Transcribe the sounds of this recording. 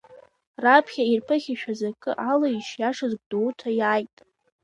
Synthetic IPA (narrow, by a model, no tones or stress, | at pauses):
rapʰχʲairpʰɨχʲiʃᶣazakʼɨ̰ʔalaiʃjaʂɨzɡ̚ʷʼduwtʰajaːjtʼ